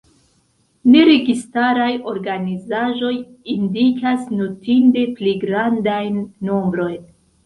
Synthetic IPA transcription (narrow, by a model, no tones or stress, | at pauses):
ne̞ɾe̞ɡistaɾajo̞ɾɡanizaʒo̞j | indikʰasnutinde̞pliɡɾandajnːo̞mbɾo̞jn